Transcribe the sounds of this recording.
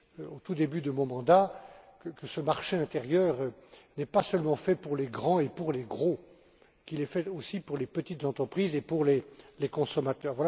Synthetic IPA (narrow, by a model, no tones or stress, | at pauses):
ot̪ud̪ebyd̪əmɔ̃mɑ̃d̪akəkəsəmaʁʃeɛ̃t̪eʁjœʁønɛpasœlmɑ̃fɛpuʁleɡʁɑ̃epuʁleɡʁo | kʲilɛfɛosipuʁlepət̪it̪zɑ̃t̪χəpχizepuʁlelekɔ̃sɔmat̪œːʁvwala